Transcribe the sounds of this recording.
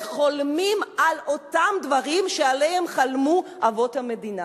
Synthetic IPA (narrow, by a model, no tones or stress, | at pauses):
χo̞lmimalʔo̞tamd̪vaʁimʃealehemχalmuʔavo̞thame̞dina